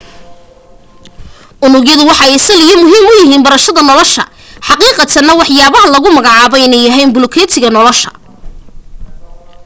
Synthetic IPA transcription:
ʔʊnʊɣjɐðʊwɑħɑɛsɐlɪjɔmʊɦiːmʊjɪɦiːnbɐɾɐʃɐðɐnɔlɔʃɐ̰ | ħɑqiːqɑt̪ʰɐnɐwɑħjaːβɐɦɐlɐɣʊmɐɣɑʕɑːβɔɪnɛjɐɦɛjnbʊlɔkʰɛːt̪ʰɪɣɐnɔlɔʃɐ̥̰

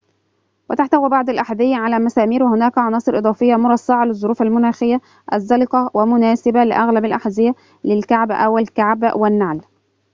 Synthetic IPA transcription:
wɪt̪aħt̪æwiːbɑʕd̪alʔaħad̪ɪjːʕalæːmæsæːmiːɾwɪhʊnæːkʕɑnɑːsˤɨɾʔɨd̪ˤɑːfɪjːamʊɾˤɑsːɑʕɑlɪzˤːʊɾuːfalmʊnæːxɪjːa | ʔæzːɑlɪqɑwæmʊnæːsɪbalɪʔaɣlabɪlʔaħazɪja | lɪlkaʕbʔæ̰wɪlkaʕbwɪnːaʕl

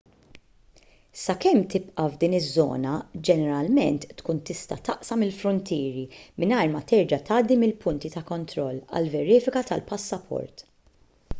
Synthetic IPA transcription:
sɐkɛmt̪ɪpʔɐvd̪iːnɪzːɔ̰ːnɐd͡ʒɛnɛɾɐlmɛ̰nt̪ːkuːnt̪ɪst̪ɐt̪ɐʔsɐmɪlfɾʊnt̪ɪːɾimɪnɐjɾmɐt̪ɛɾd͡ʒɐt̪ɐːd̪ːimɪlpʊnt̪it̪ɐkɔnt̪ɾɔlːɐ̰lvɛɾɪːfɪkɐt̪ɐlpɐsːɐpʰɔ̰ɾt̪

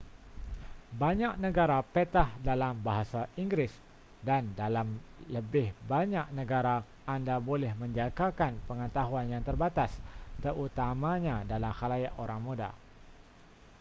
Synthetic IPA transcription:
baɲak̚nəɡaɾapet̪ahdalambaɦasaiŋɡɾɪs | dandalamləbɪhbaɲak̚nəɡaɾaː | ndabolɛhməɲd͡ʒakakanpəŋət̪aɦuanjaŋt̪ərbat̪ast̪əɾut̪amaɲadalamhalajaʔoɾaŋmuda̰

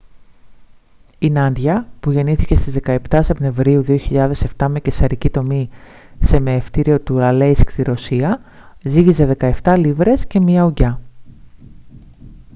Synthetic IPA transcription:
inɐnd̪ʝɐpuʝe̞niθice̞st̪izðe̞kɐept̪ɐsepne̞vɾiuðio̞çiʎɐðe̞se̞ft̪ɐme̞cesɐɾicit̪o̞mi | se̞me̞ːft̪iɾio̞t̪uɾɐle̞iskt̪iɾo̞siɐ | ziʝize̞ðe̞kɐeft̪ɐlivɾe̞sce̞miɐuɟɐ

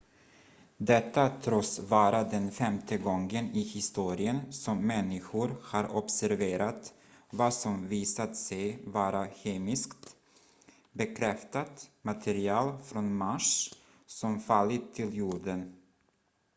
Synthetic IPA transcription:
d̪ɛt̪ːat̪ʰɾɔsvɑːɾad̪ɛnfɛmt̪ʰəɡɔŋɡənɪhɪst̪uːɾɪənsɔmːɛnːɪɧʊɾhaɾɔpsæɾveːɾat̪ | vɑsɔmviːsat̪sɛjvɑːɾaçeːmɪskt̪ | bɛkʰɾɛft̪at̪mat̪ʰɛɾɪɑːlfɾɔnmaʂ | sɔmfalːɪt̪ʰːɪljuːɖən

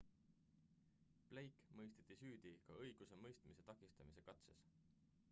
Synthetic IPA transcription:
plejkmɤjst̪e̥t̪ːˑisyːd̪̥ikɑɤjɡ̥use̞mɤjst̪mise̞t̪ɑkˑist̪ɑmise̞kɑt̪se̞̰s

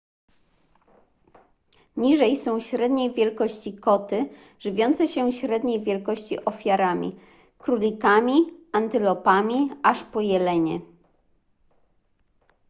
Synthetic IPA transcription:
ɲiʐɛjsɔ̃w̃ɕɾɛd̪ɲejvʲjɛlkɔɕt͡ɕikɔt̪ɘ | ʐɘvʲjɔnt̪sɛɕɛɕɾɛd̪ɲejvʲjɛlkɔɕt͡ɕiʔɔfʲjaɾamʲḭ | kɾulʲikamʲiant̪ɘlɔpamʲiaʂpɔjɛlɛɲɛ

